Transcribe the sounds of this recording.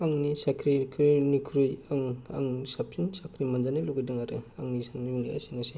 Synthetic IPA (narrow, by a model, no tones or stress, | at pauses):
aŋnisakʰɾikʰɾinukʰɾujaŋa̰ŋsap̚ʰinsakʰɾimanzaniluɡidɯŋaɾɯaŋnisaŋnibɯŋia̰sinɯse